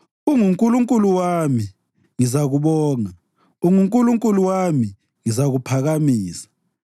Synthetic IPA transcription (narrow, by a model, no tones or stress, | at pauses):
uŋuŋkʼuluŋkʼuluwami | ŋizaɣuβɔːŋa | uŋuŋkʼuluŋkʼuluwami | ŋizaɣupʰaɣamiːsḁ